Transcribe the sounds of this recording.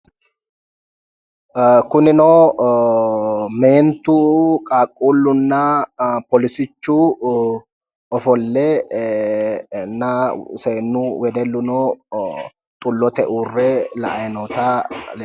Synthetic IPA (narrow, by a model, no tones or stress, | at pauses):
kʊnɪnoː | me̞ːnt̪uːkʼaːkʼːuːlːʊnːɐpɔlɪsɪt͡ʃːuː | ɔfɔlːɛ | nːɐseːnːuwɛd̪ɛlːʊnoː | t̪ʼʊlːɔt̪ɛʔuːrːɛlɐ̰ʔɐjnoːt̪al